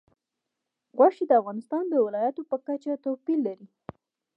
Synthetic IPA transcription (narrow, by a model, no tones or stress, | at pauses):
ɣwaʂid̪əafɣɑnɪst̪ɑnd̪əwɪlɑjat̪opəkat͡ʃat̪apilːaɾi